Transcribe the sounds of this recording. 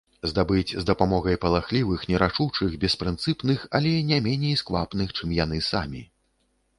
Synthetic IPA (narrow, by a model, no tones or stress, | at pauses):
zd̪abɨt͡sʲzd̪ɐpamɔɣɐjpɐlˠaxlʲivɨxnʲɛɾat͡ʂut͡ʂɨxbʲɛspɾɨnt̪sɨpnɨxɐ̰lʲɛnʲɛmʲɛnʲejskvapnɨxt͡ʂɨmjan̪ɨsa̰mʲi